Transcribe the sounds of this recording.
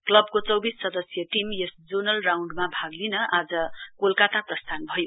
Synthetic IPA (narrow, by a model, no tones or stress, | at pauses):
klʌb̚kot͡sʌwbisːʌd̪ʌsjʌʈimjesd͡zonʌlrawɳɖmabʱaɡlinʌʔad͡zʌkolkat̪aprʌst̪ʰanbʱʌjo